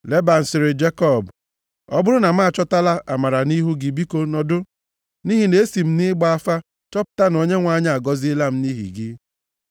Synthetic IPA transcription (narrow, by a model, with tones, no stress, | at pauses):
le˦ba˨n̩˨sɪ˨ɾɪ˨d͡ʒe˦kɔ˦˨b | ɔ̰˦bʊ˦ɾʊ˦na˨m̩˦a˦˨t͡ʃɔ˦ta˦la˦ʔa˨ma˨ɾa˨ni˦ɦu˦ɡɪ˨bi˦ko˦nɔ˨dʊ˦ | ni˦ɦi˨ne˨e˦si˨m̩˦nɪ˦ɡ͡ba˦a˦fa˦ | t͡ʃɔ˦pʊ̥˦ta˦no˨ɲe˦ŋʷa˨ɲa˦˨a˨ɡɔ˦zi˦la˦m̩˦ni˦ɦḭ˨ɡɪ˦